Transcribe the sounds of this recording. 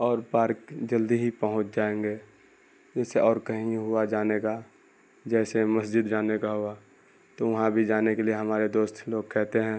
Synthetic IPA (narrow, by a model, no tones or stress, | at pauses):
ɔːɾpaːɾkd͡ʒɐld̪iɦipəɦʊ̃t͡ʃd͡ʒaːẽːŋɡeː | d͡ʒɛːseʔɔːɾkɐɦĩɦʊad͡ʒaːneka | d͡ʒɛːseməsd͡ʒɪd̪d͡ʒaːnekaɦʊa | t̪oʋɐɦãbʱid͡ʒaːnekelieɦɐmaːɾed̪oːst̪loːɡ̚kʰɛɦt̪eɦɛ̃ː